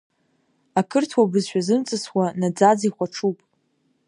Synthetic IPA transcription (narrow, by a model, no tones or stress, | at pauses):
akʰɨrtʰwabɨzʃᶣazɨmt͡sʼɨswanad͡zad͡ziχʷaʈ͡ʂʰupʼ